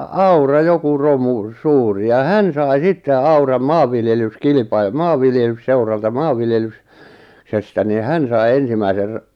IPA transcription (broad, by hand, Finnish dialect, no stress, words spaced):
ɑurɑ joku romu suːri jɑ hæn sɑi sitːe ɑurɑm mɑːʋːiljelyskilĭpɑi mɑːʋːiljelysːeurɑltɑ mɑːʋːiljelys sestæ niˑ hæn sɑi ensimæiser